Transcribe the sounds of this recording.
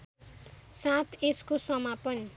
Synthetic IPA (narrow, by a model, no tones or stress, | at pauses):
sãt̪eskosʌmapʌni